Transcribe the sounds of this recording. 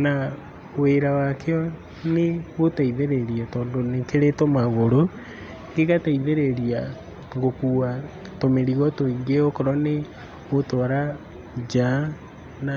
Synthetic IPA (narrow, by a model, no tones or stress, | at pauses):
na | weɾawakʰeɔ | neɣotaiðeɾeɾiɛtɔːndonekeɾetomaɣoɾo | ŋɡeɣataiðeɾeɾia | ŋɡokuːwa | tomeɾiɣɔtoiŋɡeɔkoɾɔne | ɣotɔɾa | d͡ʒa | na